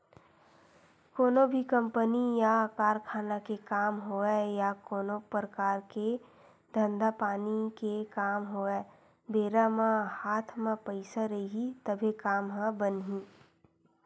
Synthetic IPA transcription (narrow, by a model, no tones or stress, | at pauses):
koːnõbʱikə̃mpənijakaːɾkʰaːnakekaːmɦoɛjakoːnõpɾəkaːɾke | d̪ʱə̃nd̪apaːnikekaːmɦoɛː | beːɾamãhaːt̪ʰmãpəɪsaɾɐiɦit̪əbʱikaːmɦãbənɦĩː